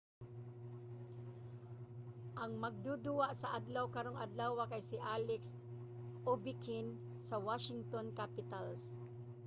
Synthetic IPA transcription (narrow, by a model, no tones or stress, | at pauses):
ʔɐŋmɐɡ̚d̪ud̪ʊwaʔsɐʔad̪lawkaɾoŋad̪lawakajsɪʔalɛks | ʔobɪkɪn | sɐwaʃɪŋt̪onkapɪt̪als